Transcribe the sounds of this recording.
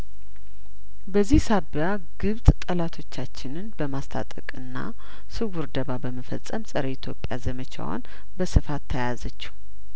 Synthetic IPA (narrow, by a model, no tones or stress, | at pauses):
bəzːihsaβja | ɡ̥ɨβt̪ʼt̪ʼəlat̪ʰo̞t͡ʃːat͡ʃːɪnɨnbəmast̪ʰa̰t̪ʼəkʼɨnːa̰ | sɨɡuɾd̪əβabəməfə̰sʼəmsʼəɾəɪt̪ʰjo̞pʼja̰zəmət͡ʃʰa̰wo̰n | bəsɨfat̪ʰːəjazət͡ʃːu̥